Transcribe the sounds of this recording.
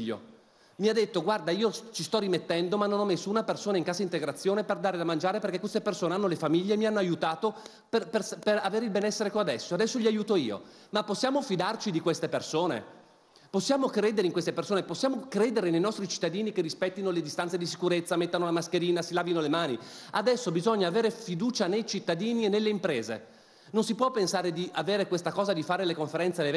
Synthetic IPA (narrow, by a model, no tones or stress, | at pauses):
ʎːo̰ | miad̪ːet̪ːoɡward̪aiːot͡ʃist̪ɔrimet̪ːɛnd̪omanːonɔmːesːounapersoːnaiŋkaːzaint̪eɡɾat̪sːjoːneperd̪aːɾelamand͡ʒaːɾepeɾrkekwest̪epersoːneanːolefamiʎːeːmianːoajut̪aːt̪o | peperperaveːɾeilbɛnɛsːeɾekoad̪ɛsːoad̪ɛsːoʎiajuːt̪oḭːo̰ | mapːosːjaːmofid̪art͡ʃid̪ikwest̪epersoːnḛ | posːjaːmokɾeːd̪eɾeiŋkwest̪epersoːneposːjaːmokɾeːd̪eɾenejnɔst̪ɾit͡ʃi̥t̪ːad̪iːnikerːispɛt̪ːinoled̪ist̪ant̪sed̪isi̥kuɾet̪sːamet̪ːanolamaskeɾiːnasilaːvinolemaːniad̪ɛsːobizoɲːaːveːɾefid̪uːt͡ʃanejt͡ʃit̪ːad̪iːnienːelːeimpɾeːzḛ | nonsipwɔpːensaːɾed̪iʔaveːɾekwest̪akɔːzad̪ifaːɾelekoɱfeɾɛnt̪seev